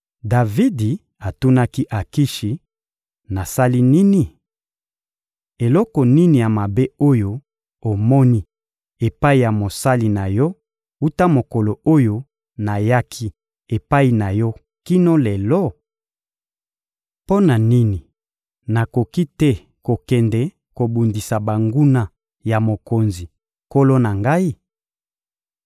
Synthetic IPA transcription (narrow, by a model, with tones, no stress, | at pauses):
da˨vi˦di˨ | a˨tu˦na˦ki˦ʔa˨ki˦ʃi˨ | na˨sa˦li˦ni˦ni˨ | e˨lɔ˦kɔ˨ni˦ni˨ja˨ma˨be˦o˦jo˦ | o˨mɔ˦ni˦ | e˨pa˦i˨ja˨mo˨sa˦li˨na˨jɔ˦ | u˦ta˦mo˨ko˨lo˨o˦jo˦ | na˨ja˦kʰi˦ | e˨pa˦i˨na˨jɔ˦ | ki˦no˦lɛ˨lɔ˦ | po˦na˨ni˦ni˨ | na˨ko˨ki˦tɛ˦ | ko˨kɛ˨ndɛ˨ | ko˨bu˨ndi˨sa˨ba˨ŋɡu˦na˦ | ja˨mo˨ko˨nzi˨ | ko˦lo˦na˨ŋɡa˦i˦